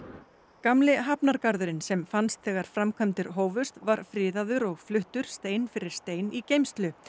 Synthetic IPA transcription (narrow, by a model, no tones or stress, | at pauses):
kamlɪɦapnaɾkaɾðʏɾɪnsɛmfanst̪θɛːɣaɾ̥fɾamkʰɛmt̪ɪɾ̥ɦoːwvʏst̪vaɾ̥fɾɪːðaðʏɾɔɣflʏht̪ʏɾ̥st̪eːjnfɪɾɪɾ̥st̪eːjnicejmst̪lʏ